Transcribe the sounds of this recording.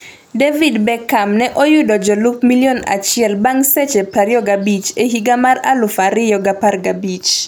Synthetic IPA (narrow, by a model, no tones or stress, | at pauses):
devidbɛkːamnɛʔɔjʊdɔd͡ʒɔlupmiljona̰t͡ʃɪɛlbaŋsɛt͡ʃepaɾjɔɡabit͡ʃeɦiɡamara̰lʊfaɾɪjɔɡaparɡabit͡ʃ